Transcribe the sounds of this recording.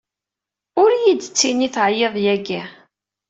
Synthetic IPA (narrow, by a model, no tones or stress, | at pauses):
ʊɾjid̪t͡sːiniθʕjeðˤjæɡæ